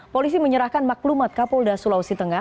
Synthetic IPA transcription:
polis̬iməɲəɾahkanmaklumat̪̚kapɔldasulawsit̪əŋa

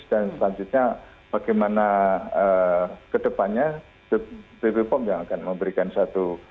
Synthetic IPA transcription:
d̥ansəpaɲd͡ʒut̪̚ɲa | b̥aɡɛjmanaəkədəpanɲa | b̥eb̥ebepɔmjaŋakanməmbəɾikansat̪u

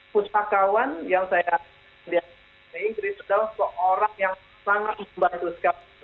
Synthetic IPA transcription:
put͡ʃakawanjaŋsaja | dia | likɾisadalahsəʔoɾaŋjaŋ | saŋat̪̚məmbant̪usə̥kait̪

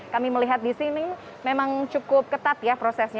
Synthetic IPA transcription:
kamiməliɦat̪̚disini | memaŋt͡ʃukʊp̚kət̪at̪̚japɾosɛsɲa

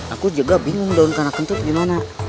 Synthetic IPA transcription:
akud͡ʒaɡabiŋuŋdaunkanakunt̪ut̪̚ɡimana

